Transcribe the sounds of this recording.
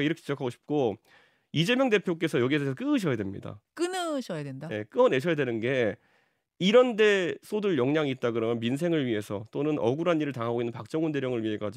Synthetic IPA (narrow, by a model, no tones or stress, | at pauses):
aiɾʌkʰet͡ɕid͡ʑʌkʰaɡoɕʰi̥p̚k͈o | id͡ʑe̞mjʌŋde̞pʰjok͈e̞sʰʌjʌɡiesʰʌk͈ɯɯɕʰʌjadwe̞mɲḭda̰k͈ɯnɯɕʰʌjadwendaje̞k͈ɯʌne̞ɕʰʌjadwe̞nɯnɡe̞ | iɾʌnde̞sʰodɯɭjʌŋɲaŋiːt̚t͈aɡɯɾʌmjʌnmins̬ʰe̞ŋɯɭɥiɦe̞sʰʌt͈onɯnʌɡuɾɦanːiɾɯɭtaŋɦaɡoinːɯnpak̚t͡ɕ͈ʌŋunde̞ɾjʌŋɯɭɥiɦe̞k͈ad͡ʑi